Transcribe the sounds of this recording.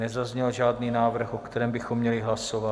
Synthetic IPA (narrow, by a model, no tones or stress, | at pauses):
nɛzazɲɛlʒaːdniːnaːvr̩xokt̪ɛɾɛːmbɪxo̞mːɲɛlɪɦlasova